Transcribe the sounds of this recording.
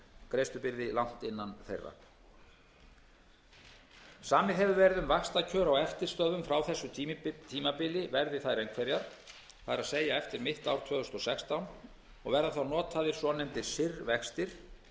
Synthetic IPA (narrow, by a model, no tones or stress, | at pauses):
kɾejst̪ʏpɪɾðɪlawn̥t̪ɪnːanθejrːa̰ | saːmɪɦɛvʏvɛɾðʏmvakst̪acʰœːɾawɛft̪ɪɾ̥st̪œðʏmfɾawθɛsːʏt̪ʰiːmapɪlɪvɛɾðɪθaðɾejŋkʰvɛɾjaɾ̥ | θaðɾaðseːjaɛft̪ɪɾmɪht̪awɾ̥t̪ʰvœːðʏ̥st̪ɔsɛkst̪awn | ɔ̰ɣvɛɾðaθawnɔːt̪ʰaðɪɾ̥sɔnɛmt̪ɪ̥sɪrvɛkst̪ɪɾ̥